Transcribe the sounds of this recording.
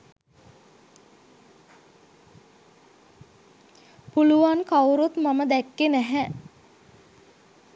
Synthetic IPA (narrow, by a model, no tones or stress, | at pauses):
puluʋankawɾut̪maməd̪ɛkːenæɦɛ